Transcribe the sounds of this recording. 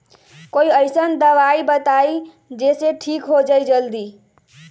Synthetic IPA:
koiəjsənd̪əʋaibət̪ai | d͡ʒeseʈʰikɦod͡ʒəjd͡ʒəld̪i

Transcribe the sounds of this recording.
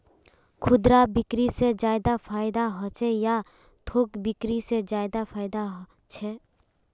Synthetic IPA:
kʰʊd̪ɾabɪkɾised͡ʒaːɪd̪apʰaːɪd̪aɦɔt͡ʃʰɛja | t̪ʰoːkbɪkɾised͡ʒaːɪd̪apʰaːɪd̪aɦ | t͡ʃʰɛː

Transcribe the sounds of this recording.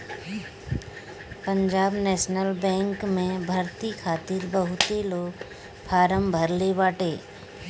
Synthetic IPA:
pə̃ɲd͡ʒaːbnɛːʃnəlbɛ̃ːŋkmẽbʱɐɾt̪ikʰaːt̪iɾbəɦʊt̪eloːɡ | pʰaːɾəmbʱəɾlebaːʈeː

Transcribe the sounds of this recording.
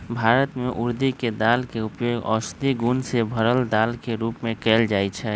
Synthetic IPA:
bʱaːɾət̪meʔuɾd̪iked̪alkeupjoːɡɔ̰st̪iɡunsebʱəɾəld̪aːlkeɾuːpmẽkɛːld͡ʒaːɛt͡ʃʰɛ

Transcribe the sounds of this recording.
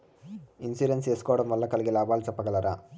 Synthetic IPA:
insuːɾenseːsu̥kɔʋɐɽɐmʋɐlːɐkɐliɡilaːbaːlt͡ʃɐpːɐɡɐlɐɾʔa̰ː

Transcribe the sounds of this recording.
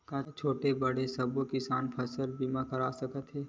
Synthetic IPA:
kat͡ʃʰoːʈebɐɽesɐbokɪsaːnpʰɐsəlbimãkəɾaːsɐkət̪ɦɛː

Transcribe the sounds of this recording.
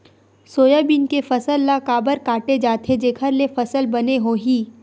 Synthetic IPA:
soːjabinkefɐsəlːakaːbəɾkaːʈed͡ʒaːt̪ʰed͡ʒeːkʰəɾlefɐsəlbɐneɦoɦiː

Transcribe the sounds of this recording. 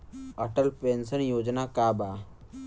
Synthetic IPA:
ɐʈəlpeːnsənjoːd͡ʒnakaːbaː

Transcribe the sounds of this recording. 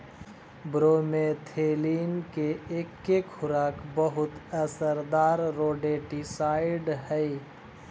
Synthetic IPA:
bɾoːmẽt̪ʰeːliːnkeekːekʰʊɾaːkbəɦʊt̪əsəɾd̪aːɾːoːɖeːʈisaːɪɖɦɛi

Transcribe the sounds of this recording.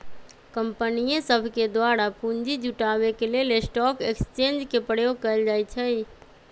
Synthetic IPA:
kəmpənijẽsəbʱked̪waːɾapuɲd͡ʒid͡ʒʱuʈaːwekelelesʈɔːkekst͡ʃẽːnd͡ʒkepəɽ̤jokəəld͡ʒaːjt͡ʃʰəi

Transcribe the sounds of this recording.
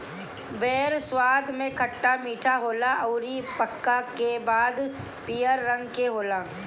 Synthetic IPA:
beːɾswaːd̪ʱmẽkʰəʈːamiːʈʰaɦoːlaʔɐʊɾipəkːakebaːd̪ | pijəɾːɐ̃ŋɡkeɦoːlaː

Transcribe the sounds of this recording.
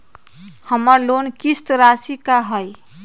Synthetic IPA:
həməɾlonkist̪ɾasikaɦəj

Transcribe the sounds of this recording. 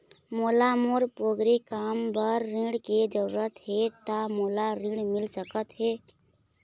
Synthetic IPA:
molamoɾpoɡɾikambəɾːĩɽked͡ʒəɾuɾət̪ɦet̪amolaɾĩɖmɪlsəkət̪ɦeː

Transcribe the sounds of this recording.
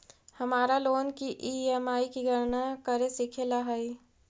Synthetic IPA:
hɐmaːɾaloːnkiʔiːɛmaːikiɡʱəɾnakəɾesikʰelaɦai

